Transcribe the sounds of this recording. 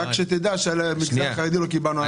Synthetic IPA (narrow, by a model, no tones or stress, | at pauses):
akʃet̪id̪aʃelmiɡlaχaʁed̪ilokibalnua